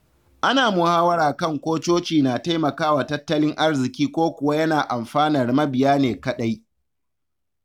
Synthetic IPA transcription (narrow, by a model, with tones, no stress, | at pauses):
ʔa˦naː˨mʊ˨haː˦wɐ˦ɾaː˨kɐ˦˨ŋkʷoː˦t͡ʃoː˦t͡ʃiː˨naː˨ta˦jmɐ˨kaː˦wa˨tɐ˦tːɐ˦lɪ˦ŋʔa˦rzɪ˨kʲiː˦kʷoː˦kʷʊ˨wa˦jɐ˦naː˨ʔa˨mɸaː˦nɐ˨rmɐ˦bɪ˨jaː˦neː˨kɐ˦ɗa˦j